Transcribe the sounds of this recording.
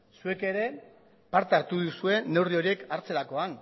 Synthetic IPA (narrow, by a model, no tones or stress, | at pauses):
sue̞ke̞ɾe̞ | paɾt̪eaɾt̪uðusue̞ne̞wrio̞ɾie̞kaɾt͡se̞ɾako̞an